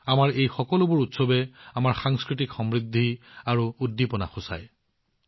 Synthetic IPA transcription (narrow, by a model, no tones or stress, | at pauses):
amaɹejxɔkɔlʊbʊɹutsɔbɛamaɹxaŋskɹitikxɔmɹid̪ʱːiaɹuːdːipɔna̰xʊsa̰j